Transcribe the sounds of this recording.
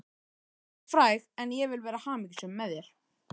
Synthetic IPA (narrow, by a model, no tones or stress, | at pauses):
fɾaːjɣɛnjɛvɪlvɛːɾahaːmiːcɪ̥sɛmːɛðjɛɾ̥